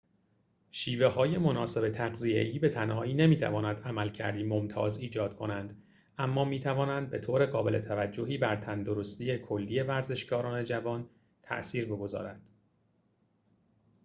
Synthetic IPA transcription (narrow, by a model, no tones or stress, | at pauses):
ʃiːve̞hɒːje̞monɒːse̞be̞t̪ʰæɣzije̞̰iːbe̞t̪ʰænhɒːiːne̞miːt̪ʰæ̰vɒːnænd̪æmælcʰæ̰ɾd̪iːmo̞mt̪ʰɒ̰ːziːd͡ʒɒːd̪̥̚kʰo̞nænd̪ | ʔæmːɒːmiːt̪ʰævɒːnænd̪̚be̞t̪ʰoːɾe̞ɣɒːbe̞lʔe̞̰t̪ʰævæd͡ʒːo̞ɦiːbæɾt̪ʰænd̪o̞ɾost̪iːje̞kʰo̞lːiːe̞væɾze̞ʃɡɒːɾɒːne̞d͡ʒævɒːn | t̪ʰæ̰ʔsiːɾbe̞ɡo̞zɒ̰ːɾænd̪̥